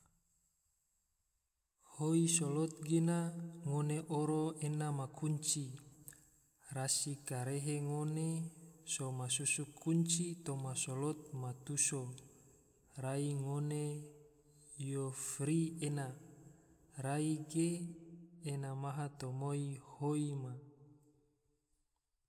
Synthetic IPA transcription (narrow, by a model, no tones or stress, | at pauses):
hoisolot̪̚ɡenaŋoneʔoɾoenamakuɲt͡ʃi | rasikaɾeɦeŋonesomasusukːuɲt͡ʃit̪omasolɔt̪̚mat̪uso | raiŋone | jofɾiena | raiɡeː | namaɦat̪omoihoima